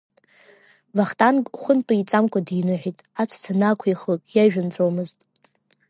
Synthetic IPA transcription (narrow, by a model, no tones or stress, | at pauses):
vaχtʼankʼχʷʊntʼait͡sʼamkʷʰʼadijnɨħʷᶣitʼat͡sʷʰt͡sʰanakʷʰiχləkʼjaʒᶣant͡sʷʼowmɨztʼ